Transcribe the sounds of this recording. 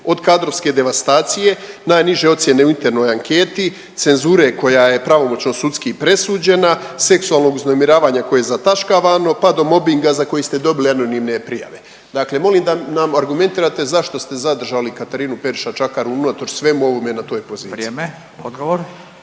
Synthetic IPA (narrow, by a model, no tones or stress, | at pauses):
o̞d̪kaːd̪ɾo̞ʋske̞d̪e̞ʋast̪aːt̪sije̞naːjniʒe̞o̞t̪sje̞ne̞uint̪e̞ɾno̞ːjaŋke̞ːt̪i | t̪se̞nzuːɾe̞ko̞jaje̞pɾaʋo̞mo̞t͡ɕno̞sut̪skipɾe̞suːd͡ʑe̞nase̞ksuaːlˠno̞ɡuznomiɾaːʋaːɲako̞jeezat̪aʃkaʋano̞pad̪o̞mo̞biŋɡazako̞jist̪e̞d̪o̞biliano̞nimne̞pɾija̰ʋe̞ | d̪akle̞mo̞limd̪anamaɾɡument̪iːɾat̪e̞zaʃt̪o̞st̪e̞zad̪r̩ʒalikat̪aɾiːnupe̞ɾiʃat͡ʃakaɾuunot̪oɾsʋe̞muo̞ʋome̞nat̪o̞ːjpo̞ziːɾme | od̪ɡoʋoɾ